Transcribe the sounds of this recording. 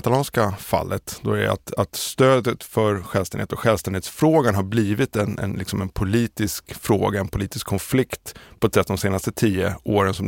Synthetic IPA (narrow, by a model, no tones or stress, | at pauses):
t̪alɑːnskafa̰lːət̪d̪ɔæ̰a̰t̪at̪st̪øːd̪ət̪fœɾɧɛːlsɛnheːt̪ɔkɧɛːlvst̪ɛneːt̪sfɾoːɡanɦaɾbliːvɪt̪ɛnɛ̰nlɪ̰ksɔmɛnpʰʊliːt̪ɪskfɾo̰ːɡaɛnpʰʊliːt̪ɪskʰːɔnflɪkt̪pʰɔt̪sɛt̪ːd̪ɔmseːnast̪ət̪ʰiːəoːɾənsɔm